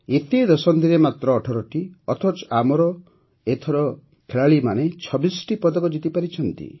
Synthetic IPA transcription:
et̪ed̪ɔsɔnd̪ʱiɾemat̪ɾɔːʈʰɔɾɔʈiɔt̪ʰɔt͡ʃamɔɾɔ | et̪ʰɔɾɔ | kʰeɭaɭimanet͡ʃʰɔbisɔ̥ʈipɔd̪ɔkɔd͡ʒit̪ipaɾit͡ʃʰɔnt̪ḭ

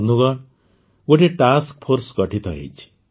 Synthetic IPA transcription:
nuɡʌ | ɡoʈeʈask̚pʰoɾsɡʌʈʰit̪ʰʌɦḛt͡sʰ

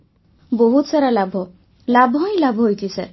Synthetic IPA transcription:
boɦut̪saɾalabʱɔ | labʱɔj̃labʱɔɦojt̪ʰisɛɾ

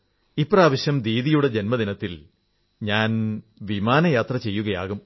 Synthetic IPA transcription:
ipːraːʋɐɕjɐmd̪iːðijuɽed͡ʑenmɐd̪inɐt̪ːil | ɲaːn | ʋimaːnɐjaːt̪rɐt͡ɕe̞jːuɣɐja̰ːɣum

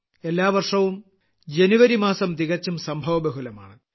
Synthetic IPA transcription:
e̞lːaːʋɐrʂɐʋum | d͡ʑenuʋɐɾimaːsɐmd̪iɣɐt͡ɕːumsɐmbʱɐʋɐbɐɦulɐma̰ːɳɨ

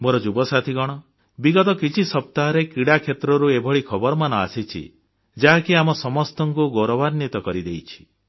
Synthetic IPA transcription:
moɾɔd͡ʒubɔsat̪ʰiɡɔɽ̃ɔ | biɡɔt̪ɔkit͡ʃʰisɔp̚t̪aɦɔɾekiɽakʰet̪ɾɔɾuebʱɔɭikʰɔbɔɾɔmanɔa̰sit͡ʃʰḭ | d͡ʒaɦakiamɔsɔmɔst̪ɔŋkuɡoɾɔbaɾnit̪ɔkɔɾid̪ejt͡ʃʰi̥

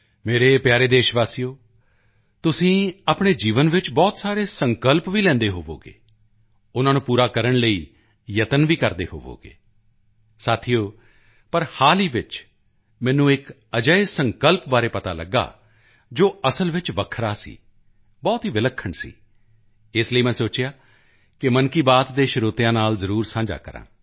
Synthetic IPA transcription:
meːɾeːpjaːɾeːd̪eːʃʋaːsijoː | t̪ʊsĩːaːpɳ̃eːd͡ʒiːʋənʋɪt͡ʃbɔːt̪saːɾeːsəŋkəlpʋiːlɛ̃ːnd̪eːɦoːʋo̰ːɡḛː | ʊnãːnũːpuːɾaːkəɾəɳləiː | jət̪ənʋiːkəɾd̪ḛːɦo̰ːʋo̰ːɡḛː | saːt̪ʰijoː | pəɾhaːliːʋɪt͡ʃ | mɛ̃ːnũːɪk | əd͡ʒəesəŋkəlpbaːɾeːpət̪a̰ːləɡːa̰ː | d͡ʒoːəsəlʋɪt͡ʃʋəkʰɾaːsḭː | bɔːt̪ɦiːʋɪləkʰːəɳsḭː | ɪsləiːmɛ̃ːsoːt͡ʃjaː | kɪmənkiːbaːt̪d̪eːʃəɾoːt̪ɪjãːnaːlzəɾuːɾsãːd͡ʒa̰ːkəɾã̰ː

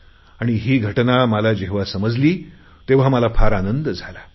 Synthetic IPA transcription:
aɽ̃iɦiːɡʱəʈnamalad͡ʑeɦʋasəməd͡zliː | t̪eʋ̤amalafʰaɾanənd̪əd͡zʱala

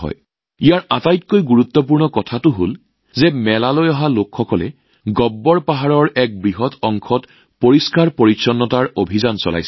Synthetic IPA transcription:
ɦɔ̰j | ijaɹatajtkojɡuɹut̪ːɔp̬uɹnɔkɔtʰatʊɦol | zɛmɛlalojɔɦalokxɔkɔlɛ̰ | ɡɔbːɔɹpaɦaɹɔɹɛk̚bɹiɦɔtʰɔŋkʰɔt | poɹiskaɹpoɹitsɔnːɔtaɹobʱizansɔ̰la̰js

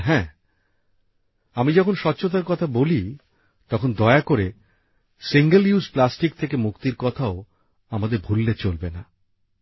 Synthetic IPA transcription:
ɦɛ̃ | amid͡ʑɔkʰonʃɔtːɕʰot̪̬aɾkɔt̪ʰaboli | t̪ɔkʰond̪ɔeakoɾe | siŋɡeljusplasʈik̚t̪ʰekemukt̪iɾkɔt̪ʰao | amad̪eɾbʱulːet͡ɕolbena

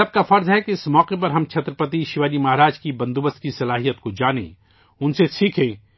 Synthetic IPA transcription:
ɐb̚kafɐɾzɦɛkeɪsmɔːqep̬ɐɾɦɐmt͡ʃʰɐt̪ɾəpət̪̬iʃɪʋaːlimɐɦɾaːd͡ʒkibɐ̃nd̪ubəst̪̚kisɐlaːɦijət̪̚kod͡ʒaːnḛ̃ː | ʊnsesiːkʰẽː

